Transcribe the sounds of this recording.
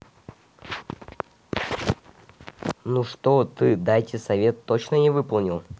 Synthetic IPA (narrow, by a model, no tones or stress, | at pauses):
nuʂt̪ot̪ɨd̪ajtʲɪsɐvʲe̞t̪ːot͡ɕnənʲɪvɨpəlˠnʲɪlˠ